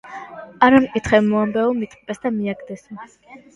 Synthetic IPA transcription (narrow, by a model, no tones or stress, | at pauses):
aɾamkʼit̪ʰχɛmɔambɛɔmit̪ʼqʼbʼɛsd̪amiaɡd̪ɛsɔ